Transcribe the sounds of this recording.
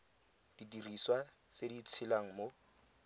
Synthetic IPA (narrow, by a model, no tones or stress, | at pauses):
d̥idiriswat͡sedit͡sʰɪlaŋ̩mo